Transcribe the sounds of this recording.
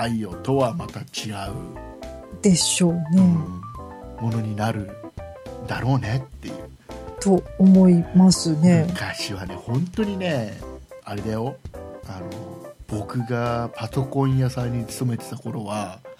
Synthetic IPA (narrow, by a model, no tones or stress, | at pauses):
aijo̞t̪o̞βamat̪at͡ɕiɡaɯ̟̰ | d̪̥e̞ɕo̞ːne̞ | mo̞no̞ɲ̟inaɾɯ̟ | d̪aɾo̞ːne̞t̪ːe̞̰jɯ̟̰ː | t̪oːmo̞imasɨne̞kaɕiβane̞hõ̞nt̪o̞ɲ̟ine̞aɾe̞d̪ajo̞ano̞b̥o̞kɯ̟ɡapaso̞kõ̞ɰ̃jasaiɲ̟it͡sɨ̥t̪o̞me̞t̪e̞t̪ako̞ɾo̞βa